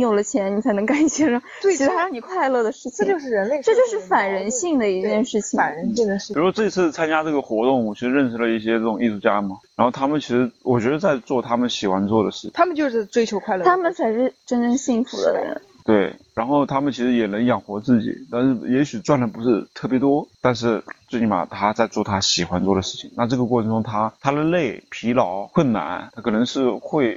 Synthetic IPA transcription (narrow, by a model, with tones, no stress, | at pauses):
jo˨˩ʊlə˦t͡ɕʰjɛ˧˥nni˨˩t͡sʰa˧˥ɪnɤ˧˥ŋka˥˩ni˨˩jɛ˥ʂo˥˩˥ɻ̩˥xɻɑ˥˩ŋni˨˩kʰwa˥˧ɪlɤ˥˩d̪ə˩ʂɻ̩˥˩t͡ɕʰo˥˧ʊʂɻ̩˥˩ɻə˧˥nle˥˧ʈ͡ʂt͡ɕjo˥˧ʊʂ̬ɻ̩˥˩fa˨˩nɻə˧˥nɕi˥˩ŋd̪ə˩i˧˥t͡ɕt͡ɕjɛ˥˧nʂɻ̩˥˩t͡ɕʰi˩ŋa˨˩nɻə˧˥nɕi˥˩ŋ˩˧i˩u˧˥ʂwɔ˥ʈ͡ʂɤ˥˩i˧˥t͡s̩ʰ˥˩t͡sʰa˥nt͡ɕja˥ʈ͡ʂɤ˥˩ɡə˩xwɔ˧˥t̪ʊ˥˩ŋɔ˨˩t͡ɕʰi˧˥ʂɻ̩˧ɻə˥˩nʂɻ̩˥˩lə˩i˥˩ɕ̬jɛ˥ʈ͡ʂɤ˥˩ʈ͡ʂʊ˨˩ŋʔi˥˧ʂu˥˩t͡ɕja˥mɐ˨˩ɻa˧˥nxo˥˩ʊt̪ʰa˥mə˨nt͡ɕʰi˧˥ʂɻ̩˧˥wɔ˨˩t͡ɕɥɛ˧˥d̪ə˧t͡sa˥˧ɪt͡swɔ˥˩t̪ʰa˥mə˨nɕi˨˩xwa˧˥nt͡swɔ˥˩d̪ə˩ʂɻ̩˥˩t̪ʰmə˨nt͡ɕjo˥˧ʊʂɻ̩˥˩ʈ͡ʂwe˥ɪt͡ɕʰjo˧˥ʊkʰwa˥˧ɪlt̪ʰa˥mə˨nt͡sʰa˧˥ɪʂɻ̩˥˩ʈ͡ʂə˥nʈ͡ʂɤ˥˧ŋɕi˥˩ŋfu˧˥d̪ə̰˧ɻə̰˦ | t̪we˥˩ɪɻa˧˥nxo˥˩ʊt̪ʰa˥mə˨nt͡ɕʰi˧˥ʂɻ̩˧˥jɛ˨˩nə˧˥ŋjɑ˨˩ŋxwɔ˧˥t͡sɹ̩˥˩t͡ɕḭ˨˩˦t̪a˥˧nʂɻ̩˥˩jɛ˧˥ɕy˨˩t͡swa˥˩nlə˨˩pu˧˥ʂɻ̩˥˧t̪ʰɤ˥˩pjɛ˧˥t̪wɔ˥t̪a˥˧nʂ̬ɻ̩˥˩t͡ɕ̩˥˩i˥˩ba̰˨˩t̪ʰa˥t͡sa˥˧ɪt͡swɔ˥˩t̪ʰa˥ɕi˨˩xwa˧˥nt͡swɔ˥˩d̪ə˩ʂɻ̩˥˩t͡ɕʰi˨˩ŋna˥˧ʈ͡ʂɤ˥˩ɡə˩k̬wɔ˥˩ʈ͡ʂʰɤ˧˥ŋʈ͡ʂʊ˥ŋt̪ʰa˥t̪ʰa˥d̪ə˨le˥˩ɪpʰi˧˥lɑ˧˥ʊkwə˥˩nna̰˧˥˦nt̪ʰa˥kʰɤ˨˩nə˧˥ŋʂɻ̩˥˧xwe˥˧ɪ